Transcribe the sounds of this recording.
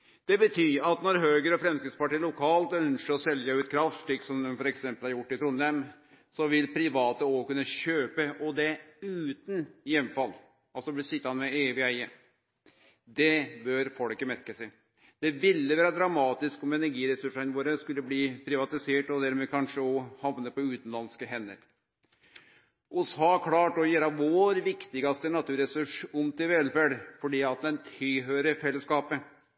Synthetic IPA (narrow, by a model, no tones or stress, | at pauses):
d̪̥ɛbət̪ʰyːɾɑt̪nɔɾɦøːɡəɾɔfɾɛmskɪt̪spɑʈiːlʊkʰɑːlt̪œnsəɾɔsɛljəʉːt̪̚kʰɾɑft̪ʂʈiːksɔmd̪ɛmfɔɾɛksɛmpəlhɑɾjʊʈːɪt̪ʰɾʊnːɛm | sɔʋɪlpʰɾɪʋɑːt̪əoːkʉnːəɕøːpəɔd̪ɛʉːt̪ənjɛmfɑlː | ɑlsɔbəsɪt̪ːɑnmɛeːʋɪæɪə | d̪ɛbœɾfɔlkəmɛt̪kəsæ | d̪̥ɛʋɪlːəʋæːɾɑd̪ɾɑmɑːt̪ɪskɔmɛnæɾɡiːɾɛsʉʂɪnəʋoːɾəskʉlːəbliːpʰɾɪʋɑt̪ɪseːʈɔd̪æɾmeːkʰɑnʂəɔhɑʋnəpɔʉːt̪n̩lɑnskəɦɛnːə̰ɾ | ʊsɑːkʰlɑːʈɔjeːɾɑʋoːɾʋɪkt̪ɪɡɑst̪ənɑt̪ʉːɾɛsʉʂʊmt̪ɪlʋɛlfæɖfɔɖiːɑt̪̚d̪ɛnt̪ʰɪlɦøːɾəfɛlːəskɑːpə